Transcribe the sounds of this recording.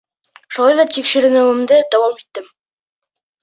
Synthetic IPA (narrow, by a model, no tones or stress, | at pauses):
ʃulˠɑjðɑt̪ikʃɘ̆ɾɘ̆mɘ̆wɘ̆md̪ɘd̪æwɑmit̪ːɘm